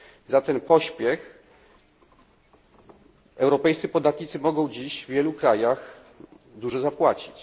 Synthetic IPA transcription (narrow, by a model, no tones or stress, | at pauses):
zat̪ɛnpɔɕpʲjɛx | ɛwɾɔpɛjssɨpɔd̪at̪ɲit̪sɘmɔɡɔ̃w̃d͡ʑiɕvvʲjɛlukɾajax | d̪uʐɔzapwat͡ɕi̥t͡ɕ